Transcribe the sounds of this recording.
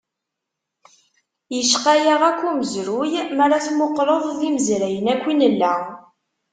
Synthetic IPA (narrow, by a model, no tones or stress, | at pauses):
jəʃqæjaʁækʷːuməzɾujmaɾˤaθmoqːɾəðˤðiməzɾæjənækʷːinəlːæ